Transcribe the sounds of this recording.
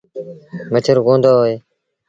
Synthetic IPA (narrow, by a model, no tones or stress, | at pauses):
mət͡ʃʰəɾɡõːnd̪oːɦoːeː